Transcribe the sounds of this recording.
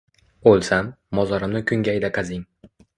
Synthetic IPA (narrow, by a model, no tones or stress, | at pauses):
olˠsamːɒzɒɾɪmnɪkʲʰʊŋɡʲajd̪aqʰɑzɪŋ